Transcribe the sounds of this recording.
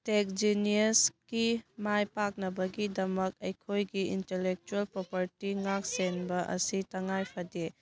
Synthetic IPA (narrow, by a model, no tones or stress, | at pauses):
tek̚d͡ʒiniɐskimajpak̚nɐbɐɡidɐmɐk̚ɐjkʰojɡiintelek̚t͡ʃuelpɾopɐɾtiŋak̚senbɐʔɐ̰sitɐŋajpʰɐde